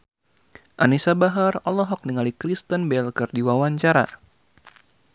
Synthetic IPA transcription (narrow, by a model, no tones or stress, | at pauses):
ʔanisabaɦarɔlɔɦɔk̚niŋalikɾist̪ənbɛlkərdiwawaɲt͡ʃaɾa̰